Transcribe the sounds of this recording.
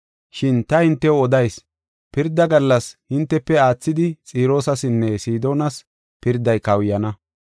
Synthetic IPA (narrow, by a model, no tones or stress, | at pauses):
ʃɪnt̪ɐhɪnt̪ːɛwɔd̪ɐjs | pɪɾd̪ːɐɡɐlːɐshɪnt̪ːɛpːɛaːt͡sːɪd̪ɪt͡sʼiːɾo̞ːsɐsɪnːɛsiːd̪o̞ːnɐs | pɪɾd̪ːɐjkɐwjɐnɐ